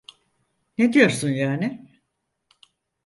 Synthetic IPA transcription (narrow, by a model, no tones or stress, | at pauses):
ne̞d̪ijo̞ɾsunjaːnɪ